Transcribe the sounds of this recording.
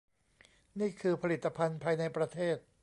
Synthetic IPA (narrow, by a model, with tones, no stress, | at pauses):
niː˥˩kʰɯː˧pʰa˧li˨˩t̪ːa˧pʰa˧npʰaː˧jna˧jpɾa˧t̪ʰeː˥˩t̪̚